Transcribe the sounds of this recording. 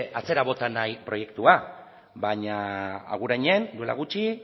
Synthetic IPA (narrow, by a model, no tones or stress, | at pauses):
ʔat͡se̞ɾaβo̞t̪anajpɾo̞je̞kt̪ua | baɲaa̰ɣuɾaɲe̞nd̪ue̞la̰ɣut͡ʃi